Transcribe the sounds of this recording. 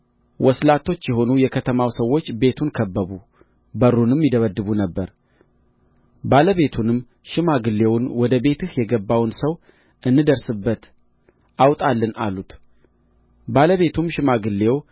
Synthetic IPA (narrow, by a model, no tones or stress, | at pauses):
wʔɔslat̪ʰːo̞t͡ʃːjɛɦo̞nujɛkʰət̪ʰəmawsəwːo̞t͡ʃːbe̞t̪ʰunkʰəbːəβu | bəɾːunɨmjɪd̪əβəd̪ːɨβunəbːəɾ | baləβe̞t̪ʰunɨmː | ʃɨmaɡɨlːe̞wnwɔd̪əbe̞t̪ʰɨhjɛɡəbːawnsəw | ʔɨnːɨd̪əɾsɨbːət̪ | ʔawt̪ʼalːɨna̰lut̪ | baləβe̞t̪ʰumʃɪmaɡɨlːew